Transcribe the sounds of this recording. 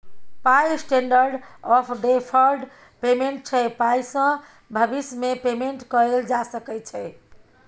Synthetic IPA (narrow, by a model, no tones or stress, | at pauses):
pajsʈeɳɖəɾɖɔpʰɖepʰəɾɖ | pemeɳʈ̚t͡ʃʰɛpajsə̃ | bʱəbismepemeɳʈkəɾeld͡ʒasəkɛt͡ʃʰɛ